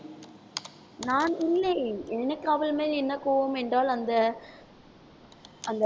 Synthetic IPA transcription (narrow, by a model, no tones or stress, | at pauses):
naːnɪlːeɛnːɐkːaːʋɪlmeːlɛnːɐkuːʋoːmɛndraːlɐnd̪ɐ | ɐnd̪ɐ